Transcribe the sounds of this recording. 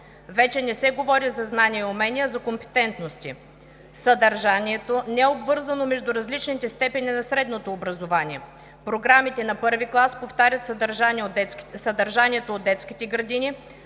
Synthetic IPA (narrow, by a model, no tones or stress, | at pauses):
vɛt͡ʃɛnɛsɛɡovɔɾizɐznaniəumɛnijəzɐkompɛ̥t̪ɛnt̪nost̪i | sɐd̪ɐɾʒaniɛt̪onɛɛobvɤɾzɐnomɛʒd̪uɾɐzlit͡ʃnit̪ɛst̪ɛpɛninɐsɾɛd̪not̪oːbɾɐzovaniɛ | pɾoɡɾamit̪ɛnɐpɤɾviklˠaspoft̪aɾʲɐt̪sd̪ɐɾʒaniosɐd̪ɐɾʒanʲiɛt̪oːd̪ːɛt̪sk̟it̪ɛɡɾɐd̪ini